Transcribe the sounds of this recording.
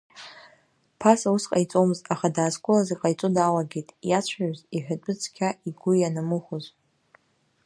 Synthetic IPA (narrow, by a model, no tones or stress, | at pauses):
pʰasausqʼajt͡sʼo̞mɨztʼaχadaːskʷʼʊlaziqʼajt͡sʼʊdalaɡʲejtʼjat͡ɕʷʰaɥziħᶣat͡pʷʼʊt͡sʰkʲʰaiɡʷʊjanamɨχʷʊz